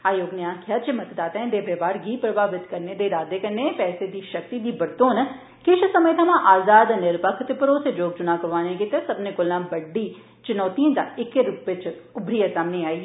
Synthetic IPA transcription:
aːjoːɡneãːkʰjaːtd͡ʒeːmɐt̪d̪aːt̪aɦɛ̃d̪eːbʱeːbaːɾɡiːpɾɐbʱaːʋɪt̪kɐɾned̪eɾaːd̪ekɐɾnepɛːsed̪iʃɐk̚t̪id̪ibɐɾt̪oːnɐ | kɪʃsɐməjt̪ʰɐmãʔaːzaːd̪nɪɾpəkʰt̪pəɾosed͡ʒoːɡ̚d͡ʒʊnakəʋaːnẽkit̪esɐbnekʊlnãbɐɖːi | t͡ʃɪnɔːt̪iẽt̪a̰ɪkːeɾʊpet͡ʃʰʊbɾijasaːmneaːi

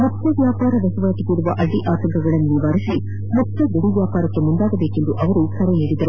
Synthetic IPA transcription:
mukːɐʋjaːpaːɾɐʋ̪ɐsɐʋaːt̪ikuːɽuʋɐʔɐɭːiʔaːt̪ɐŋkɐɡɐɭɐnːuniʋaːɾisi | mut̪ːɐd̪uɽiʋjaːpaːɾɐkːemund̪aːɡɐbeːke̞nd̪uʔɐʋɐɾusɐɾɐneːɽid̪ɐɾu

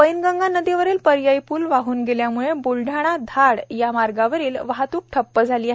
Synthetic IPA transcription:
pəjnɡãŋɡanəd̪iʋəɾiːlpəɾjajpuːlʋaɦuːnɡeljamuɭebulɖʱaɽ̃ad̪ʱaɽjamaɾɡaʋəɾiːlʋaɦt̪uːk̚ʈʰəpːəd͡zʱaliːaɦ

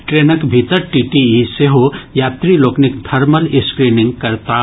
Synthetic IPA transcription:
ʈɾenəkbʱit̪əɾʈiʈiiseɦojaːt̪ɾiloːknikd̪ʱɐɾməliskɾinĩŋɡkɐɾt̪a

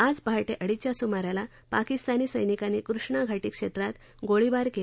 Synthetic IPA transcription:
ad͡zpaɦaʈeʔəɽit͡ɕjasumaɾjala | pakist̪aniːsəjnikaniːkɾuʂɳaɡʱaʈiːkʂet̪ɾat̪ | ɡoɭibaɾke

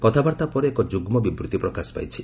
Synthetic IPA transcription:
kɔt̪ʰabaɾt̪apɔɾeekɔd͡ʒuɡmɔbibɾut̪ipɾɔkasɔ̥pa̰jt͡ʃʰi̥

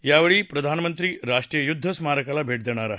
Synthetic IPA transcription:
jaʋeɭiːpɾəd̪ʱanmənt̪ɾiːɾaʂʈɾijəjud̪ʱːəsmaɾəkalabʱeʈ̚d̪ɛɽ̃aɾa

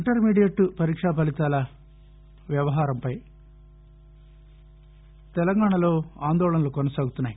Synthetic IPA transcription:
iɳʈɐɾmiːɽijɐʈːupɐɾiːkʂaːpɐlit̪aːlɐ | ʋjɐʋɐɦaːɾɐmpɐj | t̪ɛlɐŋɡaːɳɐlo̞ːaːnd̪ɔːlɐnɐlukɔnɐsaːɡut̪unːaːji

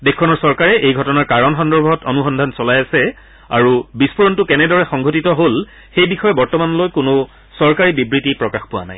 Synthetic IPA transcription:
dekʰːɔnɔɹsɔɹkaɹɛʔejɡʱɔtɔnaɹkaɹɔnxɔndɔɹbʱɔtɔnuxɔndʱansɔlajasɛ | a̰ɹubispuɹɔntʊkɛnɛdɔɹɛxɔŋɡʱotitɔɦol | xejbixɔjɛbɔɹtɔmanlojkʊnʊ | sɔɹkaɹibibɹitipɹɔkaxpʊwa̰na̰j

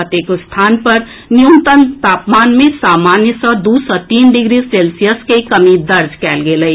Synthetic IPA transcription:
ət̪eːkst̪ʰaːnpɐɾ | nijunt̪ənt̪aːpmaːnmẽsaːmaːnjəsɔ̃d̪uːsɔt̪iːnɖɪɡɾiseːlsijəskekɐmid̪ɐɾd͡ʒkɛːlɡeləi

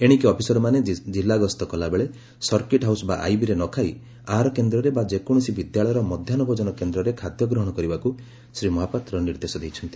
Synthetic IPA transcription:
eɽ̃ikiɔpʰisɔɾɔmaned͡ʒilːaɡɔst̪ɔkɔlabeɭe | sɔɾkeʈɦawsɔba̰ʔa̰jbiɾenɔkʰaj | aɦaɾɔkend̪ɾɔɾebad͡ʒekɔɽ̃ɔsibid̪jaɭɔjɔɾɔmɔd̪ʱjanɔbɔd͡ʒɔnɔkend̪ɾɔɾekʰad̪jɔɡɾɔɦɔɽ̃ɔkɔɾibaku | sɾimɔɦapat̪ɾɔniɾd̪esɔd̪ejt͡ʃʰɔnt̪i̥

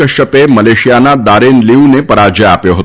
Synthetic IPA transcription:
əʃəpeməleʃijanad̪aɾenliunepəɾad͡ʒəapjoɦət̪

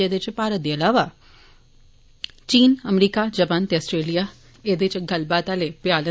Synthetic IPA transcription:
eːd̪et͡ʃpaːɾət̪̚d̪iɐlaːʋa | t͡ʃiːnɐmɾiːkad͡ʒɐpaːnt̪eɐsʈɾeːlija | eːd̪et͡ʃɡɐlbaːt̪alepjaːlə

